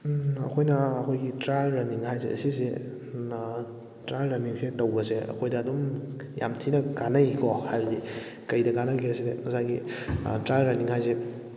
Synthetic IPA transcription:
ɐ̰kʰojnɐːkʰojɡitɾajlɾaniŋhajzḛɐ̰sisḛ | tɾajlɾɐniŋsetɐwbɐseɐ̰kʰojdɐːdum | ja̰mtʰinɐkanajkʰɔhajbɐdi | kɐjdɐkanaɡiɐsidemɐsajɡḭtɾajlɾaniŋhajze

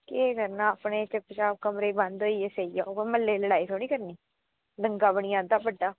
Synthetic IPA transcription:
keːɡəɾnaːəpneːt͡ʃəpt͡ʃaːb̚kəmɾeːbə̃nd̪ɦoːiːeseːijaːməlːeːləɽaːiːt̪ʰoːɽ̃iːkəɾniː | d̪əŋɡaːbəɽ̃ɪjãːd̪aːpəɖːaː

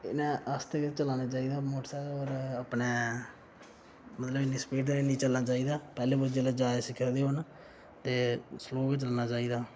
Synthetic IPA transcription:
ɪ̰nãːəst̪ekɪt͡ʃəlaːnaːt͡ʃaːiːd̪aːmoːʈsɛːɔːɾəpneː | mət̪ləbɪnːĩːsə̥peːʈd̪enĩːt͡ʃəlnaːt͡ʃaːiːd̪aːpɛːleːbod͡ʒeːlad͡ʒaːesɪkʰːəd̪eːɦon | t̪eːsloːkɪt͡ʃəlaːnaːt͡ʃaːiːd̪aː

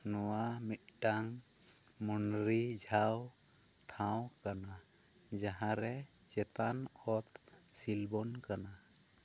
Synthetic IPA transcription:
nɔwamit̪̚ʈaŋ | munɾid͡ʒʱawʈʰãwkanad͡ʒaɦãɾɛd͡ʒɛt̪anɔt̪silbɔnkana

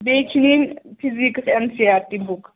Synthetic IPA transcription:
bet͡ʃʰininpʰiziksɛmsiat̪ːibuk

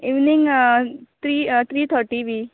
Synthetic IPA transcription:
iʋnĩŋ | t̪ɾiːt̪ʰɾiːt̪ʰəɾʈiʋiː

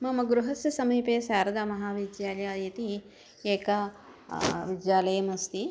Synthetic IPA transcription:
mɐmɐɡɾuɦɐsjɐsɐmiːpeːsaːɾɐd̪ɐmɐɦaːʋid͡ʒjaːljaːjɐt̪i | eːkɐ | ʋid͡ʒjaːlɐjɐmɐst̪i

